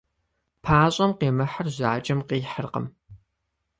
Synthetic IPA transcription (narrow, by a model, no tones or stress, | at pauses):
pʰaːɕʼɐmqeːmɐħɐrʑaːt͡ʃʼɐmqiːħərqə̰m